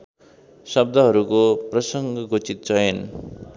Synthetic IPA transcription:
sʌb̚d̪ʱʌɦʌɾukoprʌsʌŋɡʌɡot͡sit̪̚t͡sʌjʌn

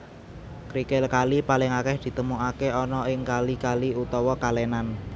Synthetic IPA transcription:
kɾikɪlkalipalɪŋakɛhd̪̥i̤t̪əmuʔakeɔnɔɪŋkalikaliut̪ɔwɔkalenan

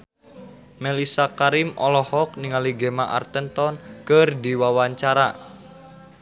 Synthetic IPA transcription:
melisakaɾimɔ̰lɔhɔk̚niŋaliɡemaʔa̰rt̪ənt̪ɔnkərdiwawaɲt͡ʃaɾa

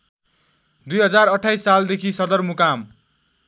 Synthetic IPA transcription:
d̪ujɦʌd͡zarʌʈʰːajsːald̪ekʰisʌd̪ʌrmukam

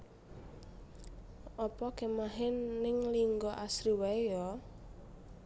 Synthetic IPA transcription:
ʔɔpɔkemaɦɪnːɪŋliŋɡɔʔasɾiwajɔ

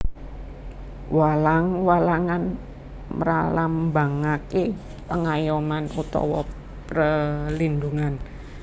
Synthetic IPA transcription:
walaŋwalaŋan | mə̰ɾalambaŋake | pəŋajɔmanut̪ɔ̰wɔ | prəlinduŋan

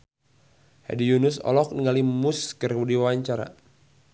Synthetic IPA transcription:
ha̰dijunʊsɔ̰lɔk̚niŋalimuskərwdiwwaɲt͡ʃaɾa̰

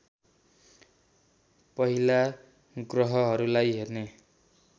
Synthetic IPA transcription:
pʌɦila | ɡrʌɦʌɦʌɾulajɦerne

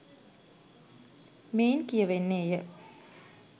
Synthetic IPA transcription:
meːnkijəʋenːeːjə

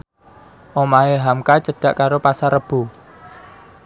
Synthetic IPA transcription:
ʔomaeɦamkat͡ʃəɖ̥aʔkaɾopasaɾəb̥ṳ

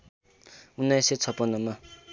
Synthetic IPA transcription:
unːajset͡sʰʌpːʌnːʌma

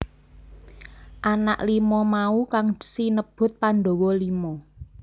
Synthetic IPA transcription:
ʔana̰ʔlimɔmaukaŋd̪̥sinəb̥ʊ̤t̪̚panɖo̤wɔlimɔ

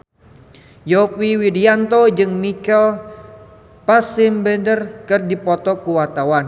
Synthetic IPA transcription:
jopiwidiant̪od͡ʒɨŋmikɛl | pasɪmbɛndərkərdipɔt̪ɔkuwart̪awan

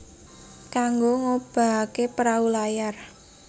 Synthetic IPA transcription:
kaŋɡoŋob̥a̤kepɾaulajar

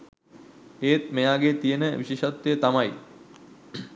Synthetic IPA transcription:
eːt̪̚mejaːɡet̪ijənəʋiɕeːʃat̪ːejət̪amaj

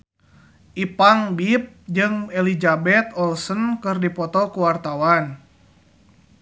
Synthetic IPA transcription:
ʔipaŋbip̚d͡ʒɨŋɛlid͡ʒabɛt̪ɔlsənkɨrdipɔt̪ɔkuwart̪awan

